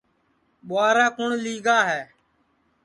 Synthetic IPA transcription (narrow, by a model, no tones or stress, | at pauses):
ɓʊaːɾaːkʊɳliːɡaːɦɛː